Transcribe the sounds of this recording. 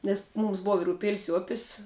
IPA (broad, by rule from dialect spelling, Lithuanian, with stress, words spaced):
nʲɛs ˈmuːms ˈbʊʋɐ ɪr ʊˈpʲeːlʲɪs ɪ ˈʊpʲɪs